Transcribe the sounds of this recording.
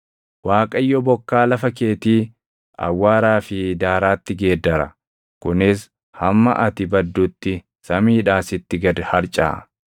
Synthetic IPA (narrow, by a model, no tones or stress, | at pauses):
waːkʼɐjːɔbɔkːaːlɐfɐke̞ːt̪iː | ʔɐ̰wːaːɾaːfɪd̪aːɾaːt̪ːɪɡe̞ːd̪ːɐɾɐ | kʊnɪs | hɐmːɐ̰ʔɐt̪ɪbɐd̪ːʊt̪ːɪ | sɐmiːᶑaːsɪt̪ːɪɡɐd̪hɐɾt͡ʃʼa̰ː